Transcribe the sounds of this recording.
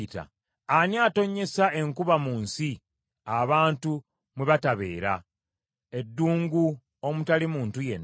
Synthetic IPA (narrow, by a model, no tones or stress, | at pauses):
ta̰ | aniaːto̞ɲːe̞sae̞ŋkuβamuːnsi | aβaːntu | mweβataβe̞̰ːɾa | e̞dːuːŋɡu | o̞mutalimuːntuje̞̰nː